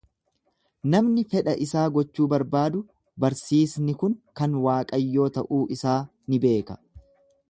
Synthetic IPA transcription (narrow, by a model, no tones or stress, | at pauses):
nɐmnɪfɛᶑɐʔɪsaːɡɔt͡ʃːuːbɐɾbaːd̪ʊ | bɐɾsiːsnɪkʊŋkɐnwaːkʼɐjːo̞ːt̪ɐʔuːʔɪsaː | nɪbe̞ːkɐ̥